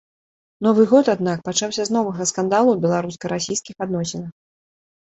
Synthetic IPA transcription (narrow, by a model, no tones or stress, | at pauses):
nɔvɨɣɔt̪ad̪nak̚pat͡ʂawsʲɐznɔvɐɣɐskand̪alˠubʲɛlˠaɾuskɐɾasʲijskʲixad̪nɔsʲɛnɐx